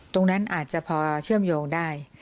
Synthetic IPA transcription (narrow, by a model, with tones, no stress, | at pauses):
t̪o˧ŋna˦˥nʔaː˨˩t̪̚t͡ɕa˨˩pʰɔː˧t͡ɕʰɯ˥˩əmjoː˧ŋdaː˥˩j